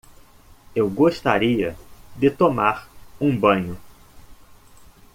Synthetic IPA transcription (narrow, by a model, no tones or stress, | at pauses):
ewɡoʃt̪a̰ɾiɐd̪ɪt̪omaɾũbɐ̃ɲʊ